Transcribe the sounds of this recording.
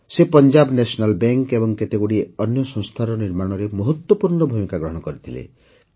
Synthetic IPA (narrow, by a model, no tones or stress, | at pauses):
sepɔnd͡ʒabnesɔnalbeŋkebɔŋket̪eɡuɽiɔnjɔsɔ̃ŋst̪ʰaɾɔniɾmaɽ̃ɔɾemɔɦɔt̪wɔpuɾnɔbʱumikaɡɾɔɦɔɽ̃ɔkɔɾit̪ʰilḛ